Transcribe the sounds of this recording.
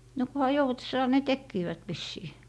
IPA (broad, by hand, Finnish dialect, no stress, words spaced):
no kuhɑ joutĕsːɑː ne tekːiːʋæt ʋisːiː